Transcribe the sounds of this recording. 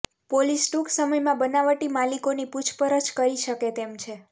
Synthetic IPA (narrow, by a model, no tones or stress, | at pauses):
polisʈuksəməjmãbənaʋəʈimalikoniput͡ʃʰpəɾət͡ʃkəɾiʃəket̪emt͡ʃʰe